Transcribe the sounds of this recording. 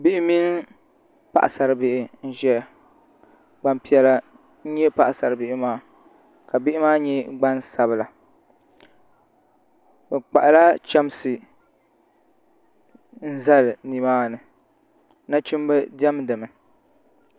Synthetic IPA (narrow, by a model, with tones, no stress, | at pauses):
bɪ˦ʔɪ˦mi˦n˦ | pa̰˦ʔa˨sa˨ɾɨ˨bɪ˦ʔɪ˨n̩˦ʒɛ˦ | ɡ͡ba˨mpi˦ɛ˦la˦ | n̩˦ɲɛ˦pa˦ʔsa˨ɾɨ˨bɪ˦ʔɪ˦maː˦ | ka˨bɪ˦ʔɪ˦maː˦ɲɛ˦ɡ͡ba˦nsa˨bɨ˨la˨ | bɨ˨k͡pa̰˨ʔa˨la˦t͡ʃa˦m˦sɨ˨ | n̩˦za˦lɨ˨ni˨maː˦nɨ˨ | na˦t͡ʃi˦m˦bɨ˦dɛ˦mdɨ˨mɨ˨